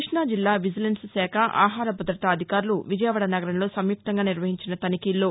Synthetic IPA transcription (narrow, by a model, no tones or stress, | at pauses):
ʂɳaːd͡ʒilːaːʋid͡ʒɐlenssɛːkʰɐʔa̰ːɦaːɾɐbɐd̪ɾɐt̪aːd̪ʱikaːɾuluʋid͡ʒɐjʋɐɽɐnɐɡɐɾɐnɐlo̞ːsɐmjuk̚t̪ɐŋɡaːniɾʋɐɦiɲt͡ʃinɐt̪ɐnikiːlːo̞ː